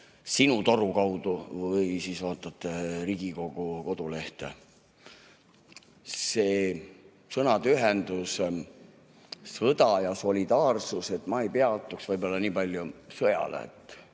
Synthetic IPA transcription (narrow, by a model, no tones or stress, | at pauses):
sinut̪o̞ɾukɑwd̪uvɤjsisvɑːt̪ˑːɑt̪ːˑeɾiɡ̥iko̞ɡ̥uko̞d̪̥ule̞ht̪ḛ | se̞ː | sɤnɑt̪yɦend̪us | sɤd̪ɑjɑso̞lʲid̪ɑːrsuse̞t̪ːˑmɑejpeɑt̪ːˑuksvɤjbolːɑniːpɑlʲjusɤjɑ̰lḛḛt̪ːˑ